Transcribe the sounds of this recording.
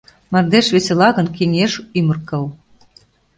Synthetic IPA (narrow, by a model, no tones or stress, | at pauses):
mɑrd̪eʃβeselɑɣə̆nkeŋeʃymə̆rkə̆l